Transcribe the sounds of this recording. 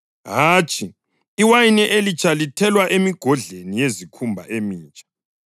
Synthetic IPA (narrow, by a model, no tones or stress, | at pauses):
ɦaːt͡ʃʼʰi | iwajinɛʔelit͡ʃʼʰalitʰɛlwaʔemiɡ̥ʱɔɮenijezikʰumbʱa̰ʔemiːt͡ʃʼḁ